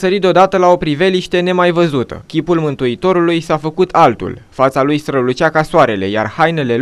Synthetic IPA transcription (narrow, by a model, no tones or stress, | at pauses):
səɾit̪d̪eod̪at̪əlao̞pɾive̞liʃt̪e̞ne̞majvəzut̪ə̰kʲipulmɨnt̪uit̪o̞ɾulujsafəkut̪ʰalt̪ṵlfat̪salujst̪ɾəlut͡ʃakasoaɾe̞le̞̰ja̰rhajne̞le̞